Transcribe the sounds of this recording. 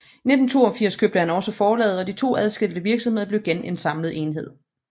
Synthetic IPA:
ne̝d̥n̩t͡sʰo̝̰ːɒ̽fiɐ̰skʰøb̥d̥əhænɒ̽səfɒːlɛ̰ːð̩ˠɒ̽d̥it͡sʰo̝̰ːæð̞ˠsɡ̥eld̥əʋiɐɡ̥sɒ̽mhe̝ðˠɐbleʊɡ̥ene̝nsɑ̈mlð̩ˠe̝ːnɦe̝ð̞̰ˠ

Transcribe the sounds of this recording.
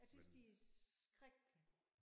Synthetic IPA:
jɑ̈ɪsynsd̥iæsɡ̥ʁaɡ̥

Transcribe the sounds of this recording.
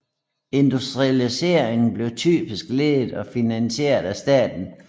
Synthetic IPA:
e̝nd̥usd̥ʁiælise̝ːɐeŋn̩b̥le̝ʊt͡sʰy̰ːb̥isɡ̥le̝ðˠðˠɒ̽finænɕe̝̰ːɐðˠæsd̥ɛ̰ːd̥n̩

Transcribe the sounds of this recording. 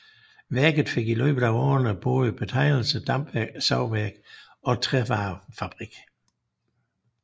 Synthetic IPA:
ʋæɐɡ̥ð̞̩ˠfe̝ɡ̥ilø̰ːb̥ð̩ˠæɒ̰ːɐnəb̥ɔːðˠəb̥e̝t͡sʰɑ̈ɪ̰l̩səd̥ɑm̥æɡ̥sɑʊ̰ʋæɐɡ̥ | ɒ̽t͡sʰʁɛʋɑːfæb̥ʁiɡ̥

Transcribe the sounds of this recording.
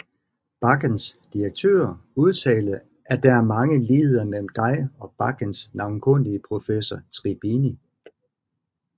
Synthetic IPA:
b̥ɑ̈ɡ̥ənsd̥iɐɡ̥̚t͡sʰø̰ːɐuð̞ˠt͡sʰɛ̰ːl̩ | ʔæɐd̥ææɐmɑ̈ŋəliːð̩ˠɐmel̰m̩d̥ɑ̈ɪɒ̽b̥ɑ̈ɡ̥ənsnɑ̈ʊnkʰɔn̰iəpʰʁo̝fesɒt͡sʰʁib̥ini

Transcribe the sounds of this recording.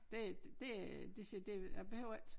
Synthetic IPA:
d̥e̝dd̥e̝æd̥esid̥e̝b̥ehøʊɐid̥

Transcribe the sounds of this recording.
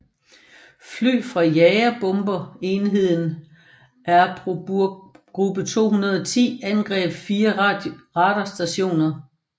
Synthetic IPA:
fly̰ːfʁɑ̈jɛɪɐb̥ɔ̽mb̥ɐe̝ːnɦe̝ð̞̰ˠn̩ | ʔæɐ̥ʁ | ɡ̥ʁub̥ət͡sʰo̝̰ːɦunɐð̞ˠɒt͡sʰḭːænɡ̥ʁɛ̰ːb̥fiːɐʁɑ̈d̥ɐsd̥æɕo̝̰ːnɐ

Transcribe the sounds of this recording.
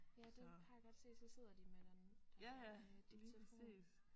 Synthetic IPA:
jæd̥ehɑ̈jäɡ̥ɒ̽d̥se̝̰ːd̥sɒ̽se̝ð̞̰ˠɐd̥imed̥end̥med̥et͡sʰelfo̝s

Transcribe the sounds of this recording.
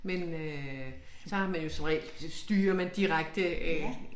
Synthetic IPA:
menø | sɒ̽æmænjo̝semʁɛ̰ld̥sd̥yːɐmænd̥iʁaɡ̥̚d̥əæ

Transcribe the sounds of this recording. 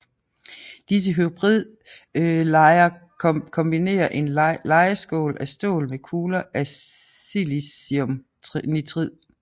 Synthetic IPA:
d̥is̬əɦyb̥ʁið̰ˠ | ɪɐ | kʰɔ̽mb̥ine̝̰ːɐʔe̝nlɑ̈ɪɐsɡ̥ɔ̰̽ːlʔæsd̥o̝̰ːlmekʰuːlɐʔæ | ilisiom | nit͡sʰʁið̰ˠ

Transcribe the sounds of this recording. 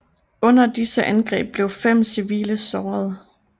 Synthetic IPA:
ɔ̽n̰ɐd̥isəʔænɡ̥ʁɛ̰ːb̥̚ːle̝ʊfem̰siʋḭːləsɒːɐð̞ˠ

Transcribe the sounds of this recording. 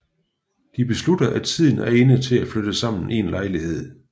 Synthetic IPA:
d̥ib̥e̝slud̥ɐʔæt͡sʰið̞̰ˠn̩æɐe̝nət͡sʰe̝læflød̥əsɑ̈m̰n̩ʔe̝̰ːnlɑ̈ɪlihe̝ð̞̰ˠ

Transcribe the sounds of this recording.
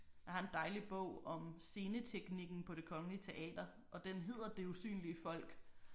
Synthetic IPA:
æhɑ̈e̝nd̥ɑ̈ɪlib̥ɔ̰ʊ̰ɒ̽mse̝ːnət͡sʰeɡ̥niɡ̥n̩pʰɒ̽ɾe̝kʰɒ̽ŋəliət͡sʰe̝ʔɛ̰ːd̥ɐ | ʔɒ̽d̥enɦe̝ð̞̰ˠɐd̥e̝usy̰ːnliəfɒ̽l̰ɡ̥

